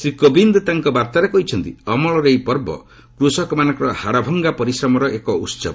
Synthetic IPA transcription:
sɾikobind̪ɔt̪aŋkɔbaɾt̪aɾekɔɦit͡ʃʰɔnt̪iɔmɔɭɔɾejpɔɾbɔ̰ | kɾusɔkɔmanɔŋkɔɾɔhaɽabʱɔŋɡapɔɾisɾɔmɔɾɔʔekɔusɔ̰b

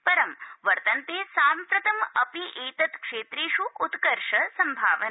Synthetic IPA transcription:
pɐɾɐmʋɐɾt̪ɐnt̪eːsaːmpɾɐt̪ɐmɐpiʔeːt̪ɐt̪kʂeːt̪ɾeːʃuːt̪kɐɾʂɐsɐmbʱaːʋɐn

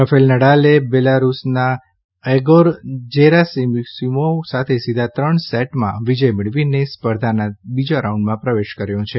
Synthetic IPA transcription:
ɾəfʰelnəɽalebelaɾusna | eɡoɾd͡ʒeɾasimsimosat̪ʰesid̪ʱat̪ɾəɳsɛʈmã̰ʋid͡ʒəjmɪɭʋinespəɾd̪ʱanabid͡ʒoɾauɳɖmãpɾəʋeʃkəɾjõt͡ʃʰe

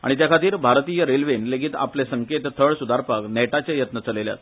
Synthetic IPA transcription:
a̰ɽ̃it̪jakʰat̪iːɾbʱaɾt̪ijəɾelʋenleɡit̪a̰plesəŋket̪t̪ʰəɭsud̪aɾpəknɛʈat͡ɕajət̪nət͡səlelja̰t̪

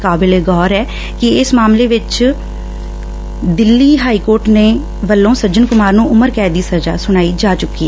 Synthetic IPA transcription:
kaːbɪleːɡɔːɾɛː | kɪɪsmaːmleːʋɪt͡ʃ | d̪ɪlːiːɦaːiːkoːɾʈneː | ʋəlːõːsəɾd͡ʒənkʊmaːɾnũːʊməɾkɛːd̪iːsəɾd͡ʒa̰ːsʊɽ̃aːiːd͡ʒaːt͡ʃʊkːiːɛː

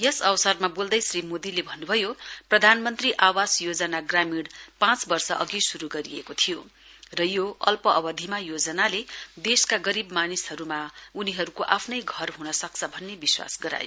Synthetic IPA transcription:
jʌsʌwsʌrmabold̪ʌjsrimod̪ilebʱʌnːubʱʌjoprʌd̪ʱanmʌnt̪riʔawasjod͡zʌnaɡramiɽpãt͡sbʌrsʌʔʌɡisuɾuɡʌɾiekot̪ʰijo | rʌjoʌlpʌʔʌbʌd̪ʱimajod͡zʌnaled̪eskaɡʌɾibmanisɦʌɾumauniɦʌɾukoʔapʰnʌjɡʱʌrɦunʌsʌkt͡sʰʌbʱʌnːebiswa̰sɡʌɾa̰jo̰

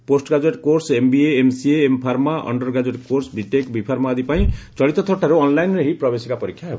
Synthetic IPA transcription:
posʈɡad͡zeʈkoɾsembieːmsieːmpʰarmaʔʌ̰ɳɖʌrɡad͡zeʈkorsbʱiʈekbʱipʰarmaːd̪ipaĩt͡sʌlit̪ːʌt̪ʰʌʈaɾuʌnlajnrʌɦiprʌbesikapʌɾikʰːjaɦe

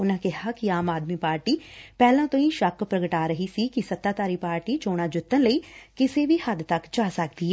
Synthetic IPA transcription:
ʊnãːkɪɦaːkɪaːmaːd̪miːpaːɾʈiːpɛːlãːt̪õːĩːʃəkpɾəɡəʈaːɾəɦiːsiːkisət̪ːaːt̪aːɾiːpaːɾʈiːt͡ʃoːɽ̃aːd͡ʒʊt̪ːənləiːkɪseːʋiːhəd̪t̪əkd͡ʒaːsək̚d̪iːɦɛː

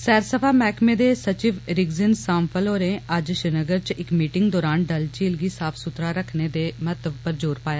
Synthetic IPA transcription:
sɛːɾsəpʰaːmɛːkʰmẽːd̪eːsət͡ʃɪʋɾɪɡzɪnsãːmpʰəloːɾẽːəd͡ʒʃɪnəɡəɾt͡ʃɪkmiːʈɪŋɡd̪ɔːɾaːnɖəlt͡ʃiːlɡiːsaːpʰsʊt̪ɾaːɾəkʰneːd̪eːmət̪əbpəɾd͡ʒoːɾpaːjaː

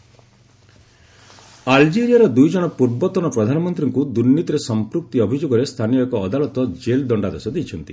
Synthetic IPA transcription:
ald͡ʒeɾijaɾɔd̪ujd͡ʒɔɽ̃ɔpuɾbɔt̪ɔnɔpɾɔd̪ʱanɔmɔnt̪ɾiŋkud̪uɾnːit̪ɔɾesɔmpɾuk̚t̪iɔbʱid͡ʒoɡɔɾest̪ʰanijɔekɔːd̪alɔt̪ɔd͡ʒeld̪ɔɳɖad̪ɔsɔd̪ejt͡ʃʰɔnt̪i

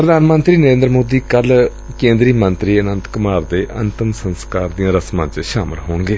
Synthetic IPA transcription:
pɾəd̪aːnmə̃nt̪ɾiːnəɾẽːnd̪ɾmoːd̪iːkəl | kẽːnd̪ɾiːmənt̪ɾiːənə̃nt̪kʊmaːɾd̪eːʔə̰nt̪ɪmsənskaːɾd̪ijãːɾəsmãːt͡ʃʃaːmɪlɦoːɳɡeː

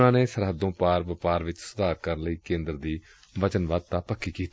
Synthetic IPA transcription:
nãːneːsəɾɦəd̪ːõːpaːɾʋəpaːɾʋɪt͡ʃsəd̪aːkəɾənləiːkẽːnd̪əɾd̪iː | ʋət͡ʃənʋaːd̪̚t̪aːpəkʰːiːkiːt̪i

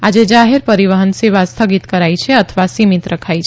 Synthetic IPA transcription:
ad͡ʒed͡ʒaɦeɾpəɾiʋəɦənseβast̪ʰəɡit̪kəɾajt͡ʃʰɛət̪ʰəʋasimit̪ɾəkʰajt͡ʃʰɛ

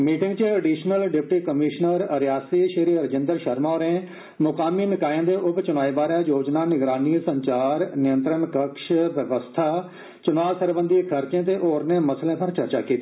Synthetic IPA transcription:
miːʈɪ̃ŋɡt͡ʃəeːɖiːʃnəlɖɪpʈiːkəmɪːʃnəɾəɾjaːsiːʃəɾiːɾəd͡ʒɪnd̪əɾʃəɾmaːɾẽː | mʊkaːmiːnɪkaːẽːd̪eːʔʊpt͡ʃʊnaːiːbaːɾaːjoːd͡ʒnaːnɪɡɾaːniːsəɲt͡ʃaːɾnɪjə̃nt̪ɾəɳkəkʃʋəʋəst̪ʰaː | t͡ʃʊnaːsəɾbə̃nd̪ikʰəɾt͡ʃẽːt̪̬eːʔoːɾnẽːməslẽːpʰəɾt͡ʃəɾt͡ʃa̰ːkiːt̪ːiː

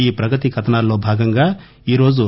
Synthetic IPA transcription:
iːpɾɐɡɐt̪̬ikʰɐt̪ɐnaːlːoːbʱaːɡɐŋɡaː | iːɾo̞ːd͡ʒu

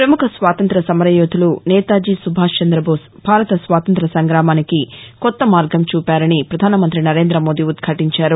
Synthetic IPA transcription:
pɾɐmukʰɐsʋaːt̪ɐnt̪ɾɐsɐmɐɾɐjoːd̪ʰʱulunɛːt̪aːd͡ʒisubʱaːʂt͡ʃɐnd̪ɾɐbʱoːs | bʱaːɾɐt̪ɐsʋaːt̪ɐnt̪ɾɐsɐŋɡɾaːmaːnikikɔt̪ːɐmaːɾɡʱɐmt͡ʃuːpaːɾɐnipɾɐd̪ʱaːnɐmɐnt̪ɾinɐɾeːnd̪ɾɐmo̞ːd̪iud̪kʰaːʈiɲt͡ʃaːɾu

